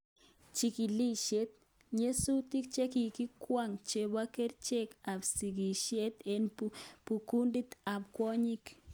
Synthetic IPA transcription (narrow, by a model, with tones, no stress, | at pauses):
t͡ʃi˧ki˨li˦ʃe˦t̪̚ | ɲe˦su˦t̪i˦k̚t͡ʃe˦ki˨ki˦kwʷa˦˨ŋt͡ʃe˨ba˦ke˦ɾt͡ʃe˦ka˨bsi˨ɡi˨ʃe˦t̪e˨npu˨ku˦ndi˦t̪a˨pkwɔ˦ɲi˦k